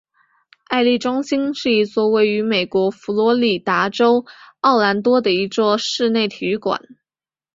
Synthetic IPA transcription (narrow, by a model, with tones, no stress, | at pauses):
a˥˧ɪli˥˩ʈ͡ʂwɑ˥ŋɕi˥ŋʂɻ̩˥˩i˧˥t͡swɔ˥˧we˥˩ɪy˧˥me˨˩ɪkwɔ˧˥fu˧˥lwɔ˧˥li˨˩t̪a˧˥ʈ͡ʂo˥ʊɑ˥˩ʊla˧˥nt̪wɔ˥d̪ə˨i˧˥t͡swɔ˥˧ʂɻ̩˥˧ne˥˩ɪt̪ʰi˨˧˩y˥kwa̰˨˩˦n